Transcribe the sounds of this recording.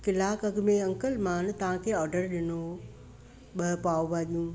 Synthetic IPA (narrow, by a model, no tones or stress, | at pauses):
kɪlaːkɐɡmẽɐ̃ŋkəlmãːnt̪ɐʋ̤ãkʰeːɔːɾɖəɾɗɪno | ɓɐpaːobaːɗijũː